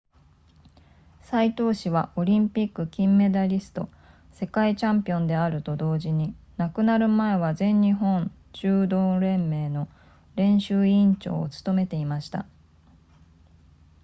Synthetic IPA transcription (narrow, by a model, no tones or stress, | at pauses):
sait̪o̞ːɕiβaʔo̞ɾʲĩmpʲikːɯ̟kʲĩmːe̞d̪aɾʲisɨ̥t̪o̞̰ | se̞kait͡ɕãmpʲiõ̞nd̪e̞aɾɯ̟t̪o̞d̪o̞ːʑiɲ̟i | nakɯ̟naɾɯ̟mae̞βazẽ̞ɲɲiɦõ̞ɲ | t͡ɕɨːd̪o̞ːɾẽ̞mːe̞ːno̞ | ɾẽ̞ɰ̃ɕɨːĩɲt͡ɕo̞̰ːt͡sɨ̥t̪o̞me̞t̪e̞imaɕi̥t̪a̰